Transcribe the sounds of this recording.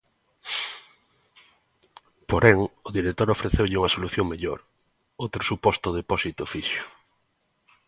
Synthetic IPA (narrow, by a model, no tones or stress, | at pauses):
poɾɛŋʊðiɾet̪oɾofɾeθewʎɪuŋɐsoluθjoŋmeʎo̰ɾ | owt̪ɾosupɔst̪oðepɔsit̪ʊfiʃʊ̥